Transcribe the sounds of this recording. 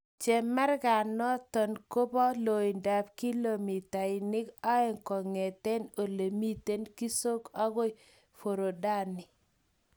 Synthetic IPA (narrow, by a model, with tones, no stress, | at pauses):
t͡ʃe˨mɛ˦ɾɡa˨nːɔ˦tɔ˨nko˦bɔ˦lo˨i˨nda˨pki˦lo˨mi˨ta˨ɪ˨nɪ˦ka˦ɛ˦˨ŋkɔ˨ŋe˨te˦no˨le˨mi˦te˦nki˦so˦ka˦ɣo˦ | fo˨ɾo˨da˦˨nɪ˨